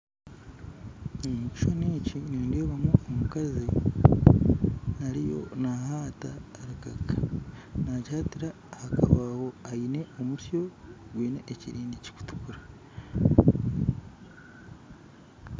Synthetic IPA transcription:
immuci̥ʃo̞niːciniːndeːβamoːmukazi | aɾijo̞̰nahaːta̰ːɾaka̰kḁnachaːtiɾa | haka̰βaho̞aine̞omusjo̞ɡwiːne̞ʔːciɾiːnɟici̥ku̥tu̥kuɾa

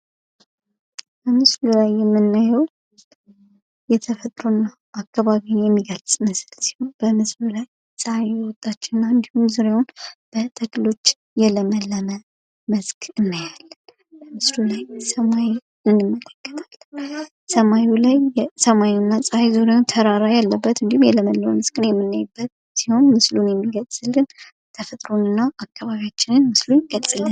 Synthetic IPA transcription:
b̥əmɨslulajːɛmːɨnːajɛw | jɛt̪ʰəfət̪ʼɾonːa | ʔakʰːaβaβinjɛmːiɡəlsʼməslsi̥honb̥əmɨslulaj | sʼəajɛwɔt̪ʼːat͡ʃːɛɨnːaɨnd̪ihumzuɾewunb̥ət̪ʼʰəkʼlo̞t͡ʃː | jɛləməlːəmə | məzkʼʰɨnːajalːən | bəmɨslulajsəmaj | ɨnːɨmːələkːə̥t̪ʰalːən | səmajulajsəmajunːasʼəhajzuɾewnt̪ʰəɾaɾajalːəbːət̪ɨnd̪ihumjɛləməlːəməməskʼɨnjɛmːɨnːajɨbːət̪̚ | siho̞nmɨslunjɛmːiɡəzɨlɡɨn | t̪ʰəfət̪ʼɾo̞nɨnːaʔakʰʼːaβaβijat͡ʃːɪnɨnmɨslunkʼət͡sʼɨlən

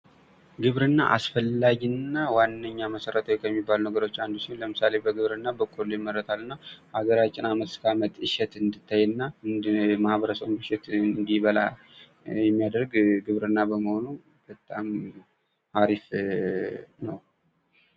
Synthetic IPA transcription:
ɡɨβɾɨnːa̰ʔa̰sfəlːaɡinːawanːəɲːaməsəɾət̪ʰəwjkʰəjɛmːibːalunəɡəɾo̞t͡ʃːand̪usɪnləmɨsale̞bəɡɨβɾɨnːabəkʼolːujmːəɾːət̪ʰalːɨnːahaɡəɾat͡ʃʼːɪnamət̪sɨ̥kʰamət̪ʼɨʃɛt̪ɨnd̪ɨt̪ʰːajɨnːa | mahβəɾəsəwmɨʃɛt̪nd̪iβəla | jɛmːijad̪əɾɡɡɨβɾɨnːabəməhonu | b̥ət̪ʼam | haɾif | nəw

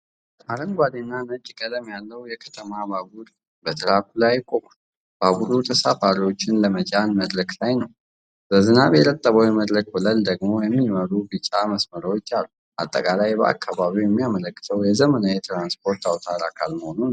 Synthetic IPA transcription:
ʔaɾəŋɡʷad̪enːanət͡ʃʼːkʼəd̪əmjalːəwjɛkʰə̥t̪ʰəmabaɡuɾ | bət̪ʰɨɾakʰulajːɪkʼːo̞kʼu̥ | b̥aɡuɾut̪ʰəsafaɾiwo̞t͡ʃːɪnləmət͡ʃʼanməd̪ɾəklajnəw | zəzɨnaβjɛɾət̪ʼːəβəwiməd̪ɾək̚bɨləld̪əɡmo̞jɛmːiməɾubɨt͡ʃʼaməsməɾəwot͡ʃːalːu | ʔa̰t̪ʼːəkʼalajbəʔa̰kʰːaβaβiwjɛmːijamələkːɨ̥t̪ʰəwjɛzəmənajɛt̪ʰɾanspʰo̞ɾt̪ʰawt̪ʰaɾakʰalməhonu

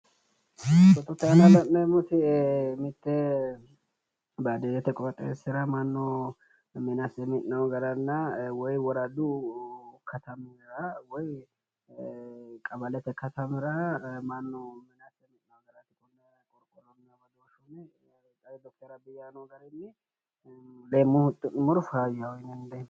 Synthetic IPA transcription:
tɔt̪ːɔt̪ːɛɐnɐlɐmːɛmʊt̪ɪmɪt̪ːɛ | bad̪ed̪ɛt̪ːɛkʼɔɾɐk̪ʼːḛːsɪɾɐmɐnːɔ | mɪnɐsɛmɪʔnɐwɡɐɾɐnːɐwɔjwɔɾɐd̪ʊ | kɐt̪ɐmɪɾɐwɔj | kʼɐbɐlɛt̪ɛkɐt̪ɐmɪɾɐmɐnːɔmɪnɐsɛmɪnnɐwɡɐɾɐt̪ːɪkʼʊnːɐ | kʼɔɾkʼɔlɔmɪɐbɐd̪oʃumɛ | t̪ʼːɐd̪ɔk̚t̪ɛɾɐbɪjanoɡɐɾɪnːɪ | lemːʊhʊt̪ʼːʊnɪmɔɾʊfaːjawɔjnɛnd̪ɛ

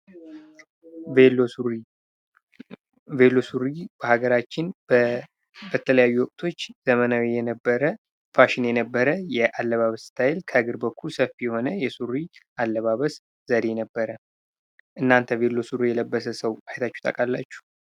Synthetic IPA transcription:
ve | velːo̞suɾib̥əhaɡəɾat͡ʃːɪn | bət̪ʰələjajːuwɔkʼt̪ʰo̞t͡ʃːz̥əmənawijɛnəbːəɾə | faʃɪnjɛnəbːəɾəjɛʔalːəβaβəsst̪ʰajɪlkʰəɡɨɾbəkʰːulsəfijɛho̞nəjɛsuɾiʔalːəβaβəs | z̥əɾe̞nəbːəɾə | ʔɨnːant̪ʰəve̞lːo̞suɾijɛləbːəsəsəwajt̪ʰat͡ʃːu̥t̪ʼə̰kʼalːat͡ʃːu̥

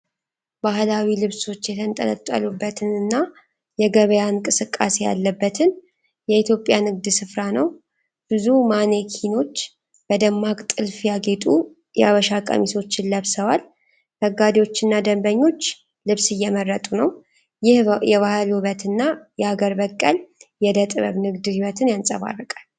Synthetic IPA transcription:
baɦlawilɨβso̞t͡ʃːjɛt̪ʰənt̪ʼə̰nə̰t̪ʼːə̰lubːət̪ʰɨnɨnːa | jɛɡəβəjankʼɨsɨkʼːa̰se̞ja̰lːəbːət̪ʰɨn | jɛit̪jo̞pʼjanɨɡd̪sɨfɾanəw | b̥ɨzumane̞kʰino̞t͡ʃː | b̥əd̪əmːakʼt̪ʼɨlfjaɡe̞t̪ʼu | jɛa̰βəʃakʼə̰miso̞t͡ʃːɪnləβsəwal | məɡad̪ewo̞t͡ʃːɨnːad̪əmbəɲːo̞t͡ʃː | lɨβsɨjːɛmərːət̪ʼunəw | jɪhjɛβahlhuβət̪ɨnːajɛhaɡəɾbəkʼːəljɛd̪ət̪ʼɨβəβnɨɡd̪hiβət̪ʰɨnjansʼə̰βa̰rːəkʼal

